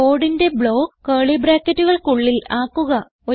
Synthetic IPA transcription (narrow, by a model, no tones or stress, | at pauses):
oːɽinde̞bɭo̞ːɐːɭibɾaːkːɐtːuɣɐɭkuɭːilaːkːuɣɐ | o̞